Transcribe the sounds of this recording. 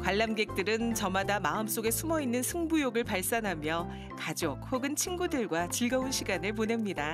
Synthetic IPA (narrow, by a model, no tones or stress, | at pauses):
kwaɭːamɡe̞k̚t͈ɯɾɯnt͡ɕʌmadamaɯms͈oɡe̞sʰumʌinːɯnsʰɯŋbujoɡɯɭpaɭs͈anɦamjʌ | kad͡ʑok̚ɸoɡɯnt͡ɕʰinɡudɯɭɡwat͡ɕiɭɡʌunɕʰiɡanɯɭpone̞mɲida